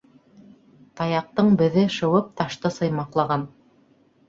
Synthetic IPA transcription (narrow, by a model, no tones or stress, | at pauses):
t̪ɑjɑq̚t̪ɤɴbɘ̆ðɘʃɤ̆wɤp̚t̪ɑʃt̪ɤsɤ̆jmɑqlˠɑʁɑn